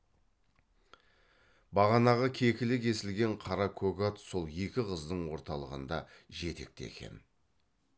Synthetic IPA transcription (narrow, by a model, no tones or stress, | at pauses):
bɑʁɑnɑʁɑkʲʰe̞kʲɪlɪkʲe̞sɪlɡʲe̞ɴqʰɑɾɑkʰoɡat̪so̞lˠje̞kʲɪqʰəzd̪əɴwo̞ɾt̪ɑlˠəʁənd̪ɑ̰ʒe̞t̪ek̚t̪ḛkʲʰe̞̰n